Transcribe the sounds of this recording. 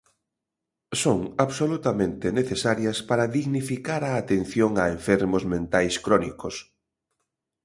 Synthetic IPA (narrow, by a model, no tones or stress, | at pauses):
soŋaβsolut̪amẽnt̪eneθesaɾjɐspaɾɐðiɣnifikaɾaːt̪enθjoŋaeɱfɛɾmʊzmẽnt̪ajskɾɔnikos